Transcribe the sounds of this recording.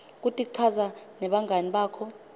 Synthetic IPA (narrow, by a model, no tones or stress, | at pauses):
k̬utʼik̬ǀʰazanɛɓaŋʱaniɓaːkʰɔ